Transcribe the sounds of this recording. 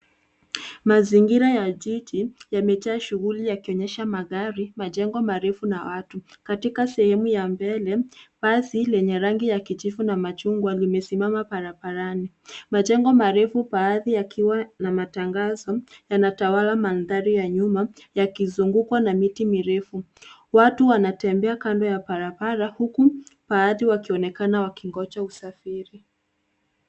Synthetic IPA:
maziŋɡiɾajaʄid͡ʒijamɛt͡ʃaːʃuɣulijakiɔɲɛʃamaɣaɾimaʄɛŋɡɔmaɾɛfunawatukatikasɛhɛmujambɛlɛpasilɛɲɛɾaŋɡijakit͡ʃifunamat͡ʃuŋɡwalimɛsimamapaɾabaɾani | mad͡ʒɛŋɡɔmaɾɛfupaːðijakʰiwanamataŋɡazɔjanatawalamanðaɾijaɲuma | jakizuŋɡukwanamitimiɾɛfu | watuwanatɛmbɛakandɔjapaɾabaɾahukupaaðiwakiɔnɛkanawakiŋɡɔt͡ʃausafiɾi

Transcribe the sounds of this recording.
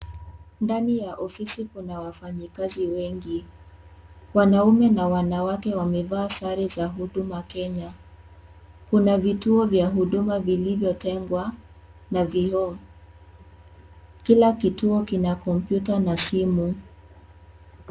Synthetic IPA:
ndanijaʔɔfisikunawafaɲikaziwɛŋɡi | wanaumɛnawanawakɛwamɛvaːsaɾizaɦuɗumakɛɲa | kunavituɔvjaɦuɗumavilivjɔtɛŋɡwanaviɔ | kilakituɔkinakɔm̩pjutanasimu

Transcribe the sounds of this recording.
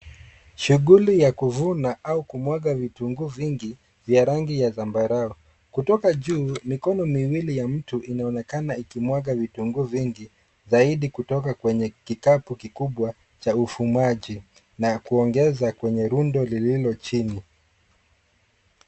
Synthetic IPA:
ʃuɠulijakuvunaʔaukumwaɠavituŋɡuviŋɡi | vjaɾaŋɡijazambaɾaɔ | kutɔkaʄuːmikɔnɔmiwilijam̩tuʔinaɔnɛkanaikimwaɠavituŋɡuviŋɡi | zaiɗikutɔkakwɛɲɛkikapukikuɓwa | t͡ʃaufumaʄi | nakuɔŋɡɛzakwɛɲɛɾundɔlililɔt͡ʃini

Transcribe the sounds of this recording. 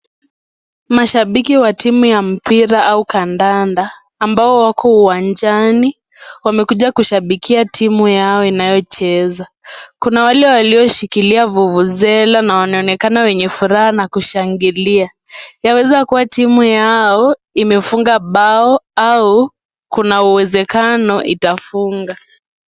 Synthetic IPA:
maʃaɓikiwatimujam̩piɾaʔaukandandaː | mbaɔwakʰɔuwand͡ʒani | wamɛkuʄakuʃaɓikʰiatʰimujaɔinajɔt͡ʃɛza | kunawalɛwaliɔʃikiliavuvuzɛlanawanaɔnɛkanawɛɲɛfuɾahanakuʃaŋɡilia | jawɛzakuwatimujaɔimɛfuŋɡaɓaɔau | kunauwɛzɛkanɔʔitafuŋɡa

